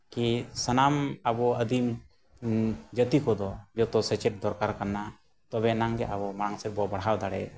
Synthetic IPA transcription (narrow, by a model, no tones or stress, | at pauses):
kisənamabɔəd̪im | d͡ʒət̪ikɔd̪ɔd͡ʒɔt̪ɔsɛt͡ʃɛʈ̚d̪ɔɾkaɾkanːa | t̪ɔbɛnaŋɡɛʔabɔmaɽaŋsɛɾ̚bɔbəɽɦawd̪aɽɛ̰